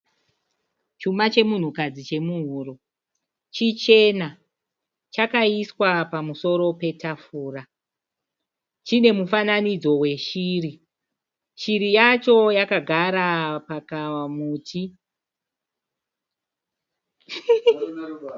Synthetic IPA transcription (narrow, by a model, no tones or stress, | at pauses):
t͡ʃumat͡ʃe̞mun̤ukad͡zit͡ʃe̞muɦuːro̞ | t͡ʃit͡ʃe̞na | t͡ʃakaiswapamuso̞ɾo̞pe̞tafuːra | t͡ʃine̞mufananid͡zo̞we̞ʃiːri | t͡ʃiɾijat͡ʃo̞jakaɡʱaɾapakamuːti